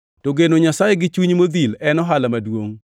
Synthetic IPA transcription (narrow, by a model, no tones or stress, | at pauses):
toɡenoɲasajeɡɪt͡ʃuɲmod̪ilɛnɔɦalamadwoŋ